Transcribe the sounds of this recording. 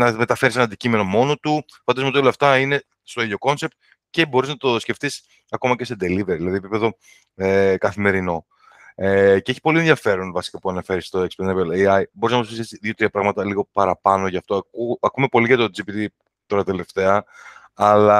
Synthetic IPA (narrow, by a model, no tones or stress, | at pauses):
nɐme̞t̪ɐfe̞ɾisenɐnd̪icime̞no̞mo̞no̞t̪u | fɐnd̪ɐzmot̪olɐft̪ɐine̞ | st̪o̞iðoko̞nse̞p̚t̪̚ | ce̞bo̞ɾiznɐt̪osce̞ft̪is | ɐko̞mɐce̞se̞d̪e̞liveɾiilɐðiepipe̞ðo̞ | ekɐθime̞ɾino̞ | eceeçi̥po̞lienðjʝɐfe̞ɾonvɐsi̥kɐpuɐnɐfe̞ɾist̪oekspenepeleɐjbo̞ɾiznɐmposfisisðiot̪ɾiɐpɾɐɣmɐt̪ɐliɣo̞pɐɾɐpɐno̞ʝɐft̪o̞ɐkuɐkume̞po̞liʝɐt̪o̞d͡zipit̪i | t̪o̞ɾɐt̪e̞le̞ft̪e̞ɐ | ɐlɐ